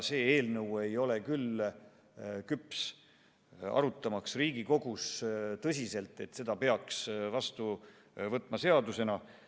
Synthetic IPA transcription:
se̞ːe̞ːlnɤwe̞jo̞le̞kyl | kyps | ɑ̰ɾut̪ːˑɑmɑksriːɡiko̞ɡ̥ust̪ɤs̬ʲise̞lt̪ˑe̞t̪se̞d̪̥ɑpe̞ɑksvɑst̪u | vɤt̪ːˑmɑse̞ɑd̪use̞nɑ

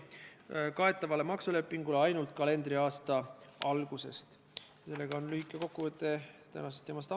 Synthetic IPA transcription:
kɑe̞t̪ːˑɑvɑle̞mɑksule̞pːiŋɡ̥uleɑjnult̪̚ˑkɑle̞nd̪̥ɾiɑːst̪ɑɑlɡ̥use̞̰st̪ | se̞lːe̞ɡ̥ɑonlyikːˑeko̞kːuvət̪ːˑe̞t̪æ̰nɑsest̪ːˑeːmɑst̪ɑ

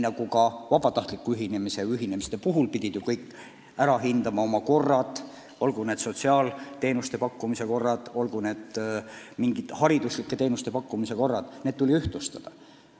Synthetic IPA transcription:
nɑɡ̥ukɑvɑb̥ɑt̪ɑht̪likːˑuyɦinemise̞yɦine̞mist̪e̞puɦulpid̪̥ʲid̪̥jukɤjkːˑ | æɾɑɦind̪̥ɑmɑo̞mɑko̞rːɑd̪ | o̞lɡ̥une̞ːd̪so̞t̪siɑːlt̪e̞ːnust̪e̞pɑkːumise̞ko̞rːɑd̪̥o̞lɡ̥une̞ːd̪̥miŋɡit̪hɑɾid̪uslikːe̞t̪e̞ːnust̪e̞pɑkːumise̞ko̞rːɑd̪̥ne̞ːd̥̪t̪ulʲiyht̪lust̪ɑd̪̥ɑ

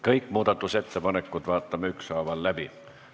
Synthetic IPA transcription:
kɤikmuːd̪ɑt̪ːuset̪ːepɑnekːut̪ʋɑːt̪ːɑmːyksɑːʋɑllæb̥i

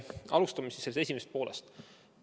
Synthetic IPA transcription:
ɑlust̪ɑmisiselst̪e̞s̬ʲimese̥t̪̚po̞ːlʔe̞̰st̪

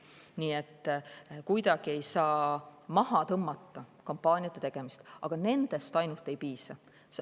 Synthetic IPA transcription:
niːe̞t̪ːkujd̪ɑɡ̥ie̞jsɑːmɑɦɑt̪ɤmːɑt̪ːɑkompːˑɑːnʲiɑt̪ːˑet̪eɡ̥e̞mist̪ʔɑɡ̥ɑne̞nd̪̥e̞st̪ɑjnult̪ˑːe̞jpiːsɑ | s

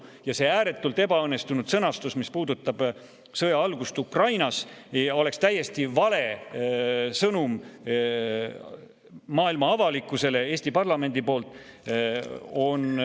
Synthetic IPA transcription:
jɑse̞æːɾe̞t̪ːˑult̪e̞bɑɤnːe̞st̪unud̪̥sɤnɑst̪usmispuːd̪ut̪ːˑɑb̥ | sɤjɑɑlɡust̪ukrɑjnɑso̞le̞kst̪æjːe̞st̪ivɑle̞ | sɤnum | mɑːilmɑɑvɑlikːˑuse̞le̞e̞ːsʲt̪ipɑrlɑme̞nd̪̥ipo̞ːlt̪ˑ | o̞n

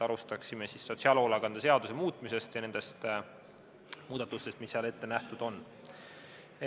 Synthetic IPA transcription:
ɑɾust̪ɑksime̞sisːo̞t̪ʲsiɑlolɑɡɑnd̪̥ese̞ɑd̪̥usemuːt̪ːˑmise̞st̪jɑne̞nd̪̥e̞st̪ | muːd̪ɑt̪ːˑust̪est̪misːeɑle̞t̪ːe̞næht̪ud̪̥o̞nː

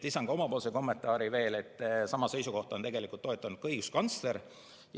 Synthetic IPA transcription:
isɑŋɡ̥ɑo̞mɑpo̞ːlseko̞mːe̞nt̪ːˑɑːɾive̞ːle̞t̪ːˑsɑmɑse̞jsuko̞ht̪ɑo̞nt̪e̞ɡe̞likˑult̪ːoe̞t̪ːˑɑnud̪̥̚kɤjɡuskɑnt̪sle̞ɾ | j

